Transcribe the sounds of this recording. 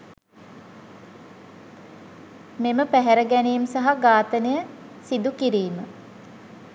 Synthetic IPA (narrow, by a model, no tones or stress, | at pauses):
meməpæɦæɾəɡænejimsaɦaɡaːt̪ənejə | sid̪ukiɾiːmə